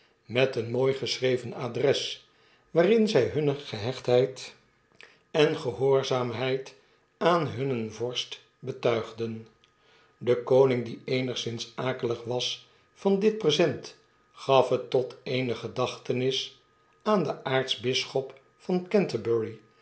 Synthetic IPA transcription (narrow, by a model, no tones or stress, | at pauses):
mɛtənmoːjχəsrejvənaːdrɛs | ʋaːrɪnzɛjɦɵnəχəɦɛχtɦɛjt | ɛnχəɦʊːɹzaːmɦɛjt | aːnɦɵnənvɔɹst | bətœɥχdən | dəkownɪŋdiejnəχsɪnsaːkələχʋɑs | fɑndɪt̚prəzɛnt | χɑfɦətːɔteɪjnəχədɑχtənɪs | aːndəʔaːɹtsbɪsχɔp | fɑnkɛntəbɛɹi